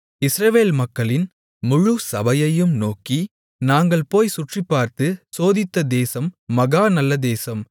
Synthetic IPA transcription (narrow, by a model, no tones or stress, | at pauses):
ɪsɾɐʋeːlmɐkːɐɭɪn | mʊɻʊsɐbɐjɐjɯmnoːki | naːŋɡɐɭpoːjsʊʈripːaːɾt̪ɯsoːðɪt̪ːɐd̪eːsɐmːɐɣaːnɐlːɐd̪eːsɐm